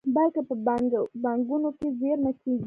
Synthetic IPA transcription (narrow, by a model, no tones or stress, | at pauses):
balkapəbabaŋɡunokezeɾnakeɡi